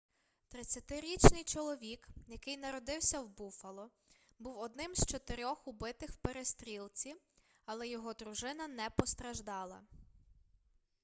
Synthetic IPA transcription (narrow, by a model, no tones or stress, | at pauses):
t̪ɾɪt͡sʲːɐt̪ɪɾʲit͡ʃnɪjt͡ʃɔlˠɔʋʲikjɐkɪjnɐɾɔd̪ɪwsʲɐwbufɐlˠɔ | buwɔd̪̚nɪmzt͡ʃɔt̪eɾʲɔxʊbɪt̪ɪxwpeɾest̪ɾʲilˠt͡sʲi | ɐlˠɛjɔɦɔd̪ɾʊʒɪnɐnɛpɔst̪ɾɐʒd̪ɑlˠɐ̰